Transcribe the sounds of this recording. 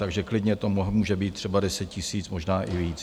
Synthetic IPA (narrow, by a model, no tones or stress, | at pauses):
t̪aɡʒɛklɪdɲɛt̪omɦmuːʒɛbiːt̪̚t̪ːr̝̥ɛbadɛsɛt̪̚cɪsiːt͡smoʒnaːʔɪviːt͡s